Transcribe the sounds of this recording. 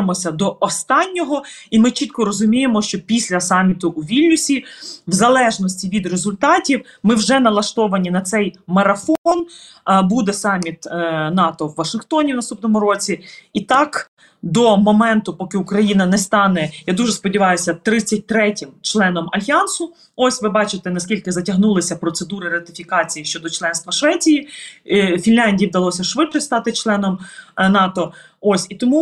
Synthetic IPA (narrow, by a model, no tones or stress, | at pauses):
mɔsʲɐd̪ɔʔɔst̪ɑnʲːɔɦɔimɪt͡ʃit̪kɔɾɔzʊmʲijemɔʃt͡ʃɔpʲisʲlʲɐsɑmʲːit̪ʊʔuʋʲilʲnʲʊsʲiwzɐlˠɛʒnɔsʲtʲiʋʲid̪rezʊlʲt̪ɑtʲiwmɪwʒɛnɐlˠɐʃt̪ɔʋɐnʲinɐt̪sɛjmɐɾɐfɔɔn | bud̪ɛsɑmʲit̪nɑt̪ɔwːɐʃɪnxt̪ɔnʲiwnɐst̪upnɔmʊɾɔt͡sʲiit̪ɑk | d̪ɔmɔmɛnt̪ʊpɔkɪʊkɾɐjinɐnɛst̪ɑnɛjad̪uʒɛspɔdʲiʋɑjʊsʲɐt̪ɾɪt͡sʲːɐt̚ʲt̪ɾɛtʲɪmt͡ʃlˠɛnɔmɐlʲɦiɑnsʊ | ɔsʲʋɪbɑt͡ʃɪt̪ɛnɐsʲkʲilʲkɪzɐtʲɐɦnulˠɪsʲɐpɾɔt̪sed̪uɾɪɾɐt̪ɪfʲikɑt͡sʲijiʃt͡ʃɔd̪ɔt͡ʃlˠɛn̪st̪ʋɐʃʋɛt͡sʲiji | fʲinlʲanʲdʲijiwd̪ɐlˠɔsʲɐʃʋɪt̪kɔst̪ɑt̪ɪt͡ʃlˠɛnɔmnɑt̪ɔ | osʲit̪ɔmu